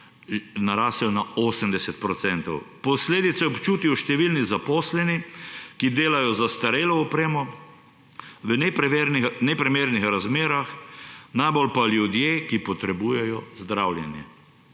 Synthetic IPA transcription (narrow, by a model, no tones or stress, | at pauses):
naɾaːsɛnaoːsəmd̪ɛsɛt̪̚pɾɔt̪sɛnt̪ɔwpɔsleːd̪it̪sɛɔpt͡ʃuːt̪iwʃt̪ɛʋilnizapɔːslɛnikid̪eːlajɔzast̪aɾeːlɔɔpɾeːmɔ | ʋənnnɛpɾɛmeːɾnixɾazmeːɾaxnajbolpaljud̪jekipɔt̪ɾɛbuːjɛjɔzd̪ɾawlʲjɛnjɛ̰